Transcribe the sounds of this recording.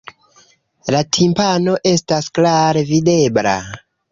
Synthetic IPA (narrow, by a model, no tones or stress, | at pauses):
latʰimpano̞ʔe̞stasklaɾe̞vide̞bla̰